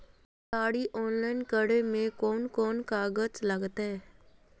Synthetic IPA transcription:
saːɽiʔɔːnlaːɪnkəɽemẽkɔːnkɔːnkaːɡət͡ʃləɡt̪ɦɛː

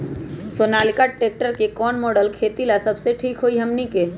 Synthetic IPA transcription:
soːnaːlikaʈeːk̚ʈəɾkekɔːnmoːɖəlkʰeːt̪ilasɐbseʈʰiːkɦoiɦəmnike

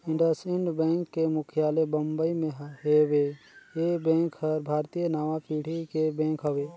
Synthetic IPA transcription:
ɪ̃ɳɖəsɪ̃ɳɖbɛ̃ːŋkːemʊkʰjaːlebəmbəimẽɦɦewe | ebɛ̃ːŋkhəɾbʱaːɾt̪ijənaːʋapiːɽ̤ikebɛ̃ːŋkɦəʋeː

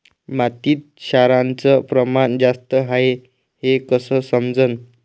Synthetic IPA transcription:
mat̪iːt̪̚ɕaɾãnt͡səpɾəmand͡zast̪əɦae | hekəsəːsəmd͡zən

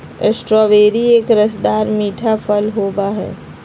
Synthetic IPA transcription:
esʈɾɔːʋeːɾieːkɾɐsd̪aːɾmiːʈʰapʰəlɦoːbaɦɛ̰ː

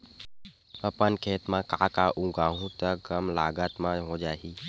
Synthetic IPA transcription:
əpənkʰeːt̪mãkãːkaʔũɡaːɦũt̪əɡəmlaːɡət̪mãɦod͡ʒaːɦiː

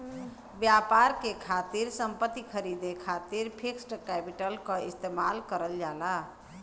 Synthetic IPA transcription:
bjapaɾkekʰat̪iɾsə̃mpət̪ːikʰəɾid̪ekʰat̪iɾpʰiksʈkɛpiʈəlkə̃ist̪emalkəɾəld͡ʒala

